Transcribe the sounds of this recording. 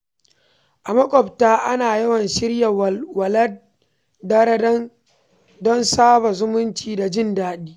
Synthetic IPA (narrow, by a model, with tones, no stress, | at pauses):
ʔa˨mɐ˦kʷʼɔ˨btaː˦ʔa˦naː˨jɐ˦wɐ˨nʃɪ˦rja˨wwɐ˨lɐ˦ | dɐ˦ɾɐ˦dɐ˦n | dɔ˦nsaː˦ba˨zʊ˦mʊ˦nt͡ʃiː˨da˨d͡ʒɪ˦ndaː˦ɗiː˦